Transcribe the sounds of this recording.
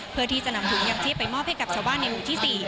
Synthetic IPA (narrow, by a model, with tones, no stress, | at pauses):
pʰɯ˧t̪ʰiː˧sa˧na˨˦mt̪ʰu˨˩˦ŋja˧ŋt͡ɕʰi˥˩əpa˧jmɔː˥˩p̚hjka˨˩p̚t͡ɕʰːwbaː˥˩nːa˧jwuː˨˩t̪ʰiː˥˩siː˨˩